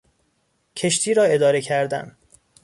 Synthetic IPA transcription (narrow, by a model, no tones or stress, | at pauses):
cʰe̞ʃt̪ʰiːɾɒːe̞d̪ɒːɾe̞cʰæɾd̪æ̰n